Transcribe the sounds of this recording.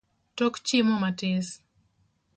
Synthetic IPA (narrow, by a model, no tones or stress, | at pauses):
tokt͡ʃɪmomatɪs